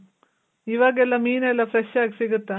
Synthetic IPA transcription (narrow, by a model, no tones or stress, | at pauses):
iʋaːɡelːɐmiːnɛlːɐfɾeʃaːɡisiɡut̪ːɐ